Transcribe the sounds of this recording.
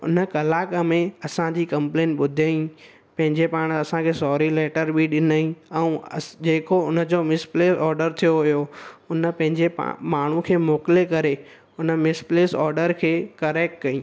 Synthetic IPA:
ʊ̰nəkɐlaːkamẽɐsãd͡ʑiːkɐ̃mplẽːnʈɓʊd̪ʱaːĩ | pɐ̃ɦɪ̃ɲd͡ʑepaːɽ̃ɐsãkʰeːsɔːɾilɛːʈəɾbʱiɗɪnaĩɛ̃ũd͡ʑeːkoʊnə̆d͡ʑomɪspleːsɔːɾɖəɾt̪ʰijoɦʊjoʊnə̆pɐ̃ɦɪ̃ɲd͡ʑḛmaːɳ̤ukʰeːmoːkɪlekɐɾe | ʊnəmɪspleːsɔ̰ːɾɖəɾkʰeːkɐɾɛːk̚ʈkɐĩ

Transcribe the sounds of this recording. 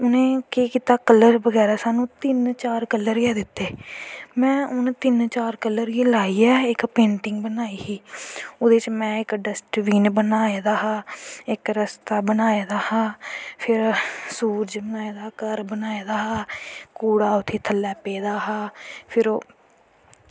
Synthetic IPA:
ʊnẽːkeːkiːt̪aːkəlːəɾbəɡɛːɾaːsaːnũːt̪ɪnt͡ʃaːɾkəlːəɾɛːd̪ɪt̪ːeːmɛ̃ːʊnẽːt̪ɪnt͡ʃaːɾkəlːəɾeːlaːiːɛːɪkpẽːɳʈɪŋɡbənaːiːɦiːoːd̪eːt͡ʃmɛ̃ːɪkɖəsʈʋiːnbənaːeːd̪aːɦaːɪkɾəst̪aːbənaːeːd̪aːhãːpʰɪɾsuːɾd͡ʒbənaːeːd̪aːkəɾbənaːeːd̪aːɦaːkoːɽaːʊt̪ʰːeːt̪ʰəlːɛːpeːd̪aːɦaːpʰɪɾoː

